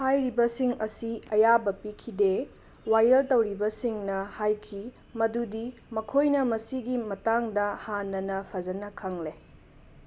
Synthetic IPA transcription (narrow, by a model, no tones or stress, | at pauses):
hajɾibɐsiŋɐsiɐjabɐpikʰide | wajɐltɐwɾibɐsiŋnɐhajkʰi | mɐdudimɐkʰojnɐmɐsiɡimɐtaŋdɐhanːɐnɐpʰɐzɐnɐkʰɐŋle